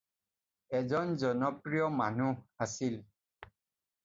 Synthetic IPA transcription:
ɛzɔnzɔnɔpɹijɔmanuasil

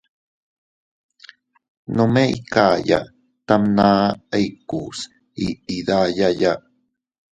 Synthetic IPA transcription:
nomeḭkaja̰ʔ | t̪amnaːejkus | iid̪ajaja

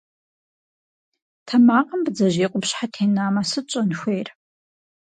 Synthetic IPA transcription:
tʰɐmaːqʼəmbd͡zɐʒeːqʷʼʊpɕħatʰeːnaːmasɨt͡ʃʷʼɐnxʷejr

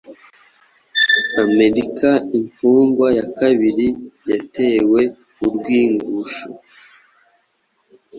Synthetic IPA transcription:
ame̞ɾikaiɱfuːŋɡwajakaβiɾijate̞ːwe̞ | uɾɡwiːŋɡuʃo

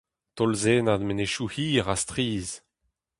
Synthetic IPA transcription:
t̪ɔlzeːnad̪meneʃuhiːʁast̪ʁiːz

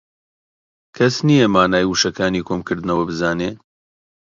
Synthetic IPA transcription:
kʰɐsnijɐmaːnaːjwuʃɐkaːniːkʰomkɨɾd̪ɨnɐwɐbɨzaːneː

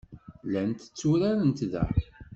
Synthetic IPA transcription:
lænt̪ə̥t͡sːuɾaɾənt̪ðæ̰

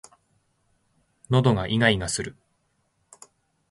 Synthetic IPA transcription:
no̞d̪o̞ɡaʔiŋaiɡasɨɾɯ̟

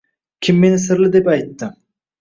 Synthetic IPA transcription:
kʲʰimːenɪsɨɾlˠɪd̪epɑjt̪ːɨ

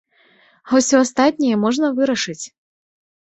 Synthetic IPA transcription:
ɦɔwsʲɔast̪at̪ʲnʲɛjɛmɔʐnɐvɨɾɐʂɨt͡sʲ

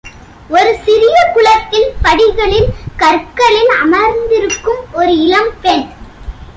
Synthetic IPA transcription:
ɔɾɯsɪɾɪjɐkʊɭɐt̪ːɪlpɐɽɪɣɐɭɪlkɐɾkːɐɭɪlɐ̰mɐɾnd̪ɪɾɯkːɯmɔɾɯɪlɐmpɛn

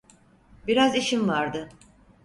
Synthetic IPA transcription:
biɾaziʃimvaɾd̪ɯ

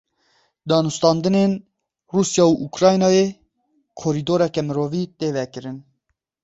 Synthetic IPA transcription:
d̪ɑːnust̪ɑːnd̪ɨneːn | ruːsjɑːuʔukɾɑːjnɑːjeː | kʰoɾid̪oːɾɛkɛmɨɾoːviːt̪eːvɛkɨɾɨn

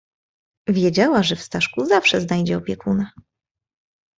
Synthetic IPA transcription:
vʲjɛd͡ʑawaʐɛfst̪aʂkuzafʂɛznajd͡ʑɛɔpʲjɛkuna

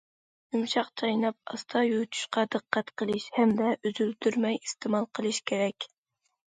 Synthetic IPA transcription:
jumʃɑqt͡ʃʰɑjnɑp̚ɑ̰st̪ʰɑjut̪ʰy̥ʃqɑd̪ɨqʰːæt̪qəlˠɨʃhɛmd̪ɛʔyzylt̪ʰyɾmɛjist̪ɪmɑlˠqʰəlˠɨʃkʲʰeɾɛkʲ

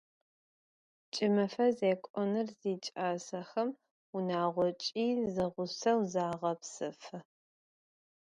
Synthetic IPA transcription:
t͡ʃʼɪmɐfɐzeːkʷʼɔnɨrziːt͡ʃʼaːsɐxɐm | ʊnaːʁʷɔt͡ʃʼiːzɐʁʷʊsɐwzaːʁɐpsɨfɨ

